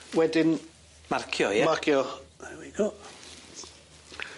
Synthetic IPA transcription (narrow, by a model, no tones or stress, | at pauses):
wɛdɪn | markʰjɔjɛmarkʰjɔɛwiɡ̥ɔ